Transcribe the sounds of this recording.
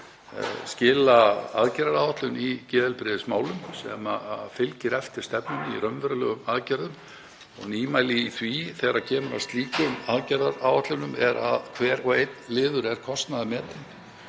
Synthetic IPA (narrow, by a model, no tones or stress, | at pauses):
scɪːlaa̰ðcɛɾaɾawaht̪lʏnicɛːðɪlpɾɪðɪsmaːwlʏmsɛ̰mafɪlcɪɾɛft̪ɪɾ̥st̪ɛpnʏniɾœmvɛɾʏlœːɣʏmaðcaɾðʏm | ɔ̰ɣniːmaːjlɪiθviθɛɣɾacʰɛːmʏɾa̰st̪liːkʏmaðcaɾðaɾaːwaht̪lʏnʏmɛɾa̰ðkʰvɛːɾ̥kʰvaejt̪nlɪːðʏɾɛɾ̥kʰɔst̪naðɪmɛːt̪ɪn